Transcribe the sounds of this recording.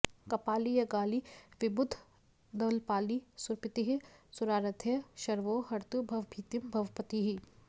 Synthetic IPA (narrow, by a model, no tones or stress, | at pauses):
kɐpaːlijɐɡaːliʋɪbʊd̪ʱ | d̪ɐlpaːlisʊɾpɪt̪iɦisʊɾaːɾɐt̪ʰjɐʃɐɾʋoːɦɐɾt̪ubʱɐʋbʱiːt̪jimbʱɐʋpɐt̪iɦi